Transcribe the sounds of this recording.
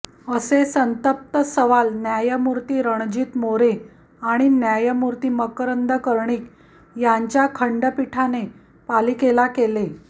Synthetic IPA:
əsesənt̪əp̚t̪əsəʋalnjajəmuɾt̪iːɾəɳ̃d͡ʑiːt̪moɾe | aɽ̃injajəmuɾt̪iːməkɾənd̪ʱəkəɾɳiːk | jaɲt͡ɕjakʰəɳɖəpiʈʰane | paliːkelakele

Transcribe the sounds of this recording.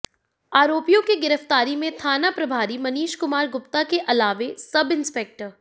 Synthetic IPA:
aːɾoːpijõkiɡɪɾəft̪aːɾimẽt̪ʰaːnapɾɐbʱaːɾimɐniːʃkʊmaːɾɡʊp̚t̪akeʔɐlaːʋesɐbɪnspɛk̚ʈəɾ

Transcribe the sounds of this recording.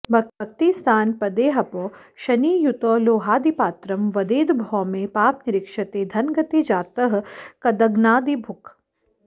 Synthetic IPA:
bʱɐkk̚t̪ist̪aːnpɐd̪eːɦɐpoː | ʃɐniːjut̪oːloːɦaːd̪ipaːt̪ɾɐmʋɐd̪eːd̪bʱɔːmẽpaːpnɪɾɪkʃɐt̪ed̪ʱɐnɡɐt̪ed͡ʒaːt̪ɐɦkɐd̪ɐɡnaːd̪ibʱʊk

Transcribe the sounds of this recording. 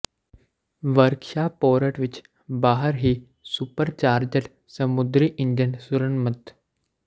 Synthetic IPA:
ʋəɾkʃapoːɾəʈʋit͡ʃ | baɦəɾɦiː | supəɾt͡ɕaːɾd͡ʑəʈ | səmud̪ɾiːʔind͡ʒənsuɾənmət̪

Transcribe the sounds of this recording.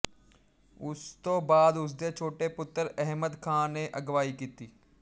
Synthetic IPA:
ʊst̪oːbaːd̪ʊs̬d̪et͡ʃʰoːʈepʊt̪ːəɾɛɦməd̪kʰãːneʔɐɡʋaːikiːt̪iː

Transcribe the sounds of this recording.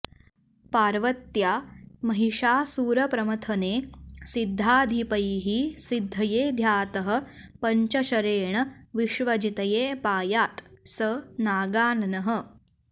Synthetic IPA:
paːɾʋɐt̪jaːmɐɦiʂaːsuːɾɐpɾɐmɐt̪ʰɐneːsid̪ʱːaːd̪ʱipɐjɦisid̪ʱːɐjeːd̪ʱjaːt̪ɐɦɐ̆ | pɐɲt͡ʃɐʃɐɾeːɳɐʋiʃʋɐd͡ʒit̪ɐjeːpaːjaːt̪sɐnaːɡaːnɐnɐɦə̆

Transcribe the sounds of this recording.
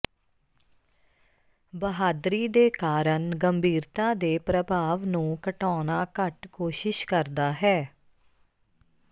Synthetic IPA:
bəɦaːd̪ɾiːd̪eːkaːɾəɳɡəmbʱiːɾt̪ãːd̪eːpɾəbʱaːʋnũːkəʈɔːnaːkəʈkoːʃɪʃkəɾd̪aːɦɛː

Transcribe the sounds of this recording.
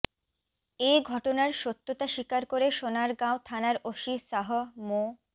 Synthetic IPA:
eɡʱɔʈonaɾʃot̪ːot̪aʃikaɾkoɾeʃonaɾɡãot̪ʰanaɾoʃisaɦomo

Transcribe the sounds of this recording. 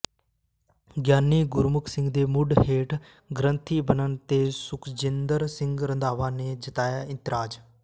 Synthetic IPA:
ɡjaːnːiːɡʊɾmʊkʰsɪ̃ŋɡd̪eːmʊɖɦeːʈʰ | ɡɾənt̪ʰiːbənənt̪eːsʊkʰd͡ʒɪnd̪əɾsɪ̃ŋɡɾənd̪aːʋaːneːd͡ʒət̪aːjaːɪ̃nt̪ɪɾaːd͡ʒ

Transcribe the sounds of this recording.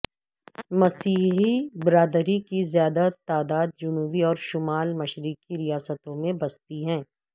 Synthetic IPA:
mɐsiːɦibɪɾaːd̪ɾikizjaːd̪at̪aːd̪aːd̪̚d͡ʒʊnuːbiɔːɾʃʊmaːlmɐʃɾɪkːiɾijaːsət̪õmẽbɐst̪iɦɛ̃ː

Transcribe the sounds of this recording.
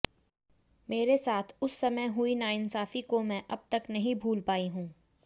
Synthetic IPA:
meːɾesaːt̪ʰʊsːɐməjɦʊinaːɪnsaːfikomɛ̃ʔɐb̚t̪ɐknɐɦĩbʱuːlpaːiɦũː

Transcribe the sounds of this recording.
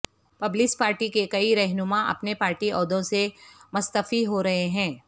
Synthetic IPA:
pɐblɪspaːɾʈikekɐiɾɛɦnʊmãʔɐ̰pnepaːɾʈiʔɔːd̪õsemʊst̪əfiɦoɾɐɦeɦɛ̃ː

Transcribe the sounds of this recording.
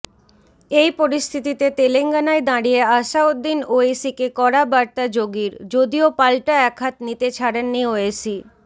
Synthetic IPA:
ejpoɾist̪ʰit̪it̪et̪eleŋɡanaed̪aɽijeaʃaod̪ːinoesikekɔɾabaɾt̪ad͡ʑoɡiɾd͡ʑod̪iopalʈaɛkʰat̪nit̪et͡ɕʰaɽenːioesi

